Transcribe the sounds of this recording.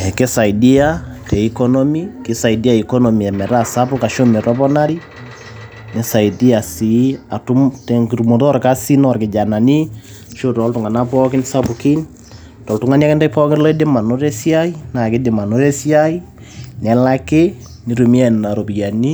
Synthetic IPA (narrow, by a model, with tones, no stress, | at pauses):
ɛ˨ke˦sa˨i˨di˦a˦tɛ˨i˨kɔ˦nɔmi˦kɪ˨sa˨i˨di˦a˦i˨ko˦nɔ˨mi˨a˨mɛ˨ɾa˦sa˦pʊ˦ka˨ʃo˦mɛ˨ɾɔ˦pɔna˦ɾi | nɛ˨sa˨idi˦a˨si˨˦a˨tu˦mtɛŋki˨ɾu˨mo˨tɔ˦ɾka˦si˦nɔrkɪ˨d͡ʒa˨na˨ni˦ | ʃo˦tɔ˦ltu˨ŋa˨na˦pɔkɪ˦nsa˦pu˨ki˦n | tɔ˨ltu˨ŋa˦ni˦akɛ˦nda˦pɔ˦kɪnlɔ˦ɛ˦de˦ma˨no˦ɾɛ˦si˦a˦i˦na˨kɪ˦dɪ˨ma˨no˦ɾɛ˦sja˦i˦ | nɛ˨la˦ke˦ | ni˨tu˨mi˦a˦˨nna˨ɾo˨pi˨ja˨ni˦